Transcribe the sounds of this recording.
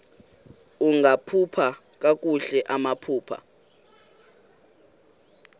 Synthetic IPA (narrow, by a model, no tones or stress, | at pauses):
uŋʱapʰupʰa | k̬ʼak̬ʼuɬɛʔamapʰuːpʰa̰